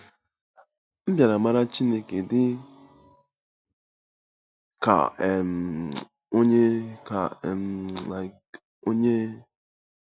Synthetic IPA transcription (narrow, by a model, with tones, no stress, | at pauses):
m̩˦bja˨ɾa˨ma˦ɾa˦t͡ʃi˦ne˦ke˨dɪ˦ | ka̰˨m | o˦ɲe˦ka̰˨mla˨ | o˦ɲe˦